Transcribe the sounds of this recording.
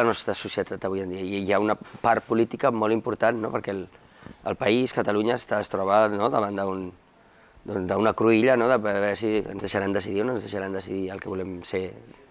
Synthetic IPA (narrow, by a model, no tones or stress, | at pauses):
ənɔst̪ɾəsusiət̪at̪əβujənd̪iəiiaunəpaɾt̪̚pulit̪ikəmɔlˠimpuɾt̪anːopəɾkɛl | ə̰lˠpəiskət̪əluɲəːst̪aəst̪ɾɔβanoðəβand̪əun | d̪ɔnzd̪əunəkɾuiʎənoðəβɛɾsiə̰nzðəʃəɾand̪əsiðionənzðəʃəɾand̪əsiðiəlˠkɛβulɛmse